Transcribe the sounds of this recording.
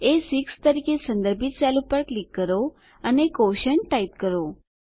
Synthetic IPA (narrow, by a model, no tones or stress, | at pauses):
esikst̪əɾikesə̃nd̪əɾbʱit̪̚t͡ʃalũpəɾklikːəɾo | ənekoʃənʈaipkəɾo